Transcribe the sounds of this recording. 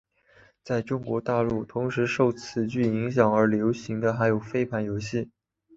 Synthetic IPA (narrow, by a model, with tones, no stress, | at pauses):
t͡sa˥˩ɪʈ͡ʂʊ˥ŋkwɔ˧˥t̪a˥˧lu˥˩t̪ʰʊ˧˥ŋʂɻ̩˧˥ʂo˥˩ʊt͡sʰɹ̩˨˩t͡ɕy˥˩i˧˥ŋɕ̬jɑ˨˩ŋə˞˧˥ljo˧˥ʊɕi˧˥ŋd̪ə˧xa˧˥ɪjo˨˩ʊfe˥ɪpʰa˧˥njo˧˥ʊɕi˥˩